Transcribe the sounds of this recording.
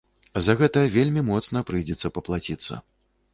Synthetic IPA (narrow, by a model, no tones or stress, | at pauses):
zɐɣɛt̪ɐjɐvʲelʲmʲimɔt̪snɐpɾɨjd͡zʲɛt̪sːɐpɐplˠat͡sʲit̪sːɐ̰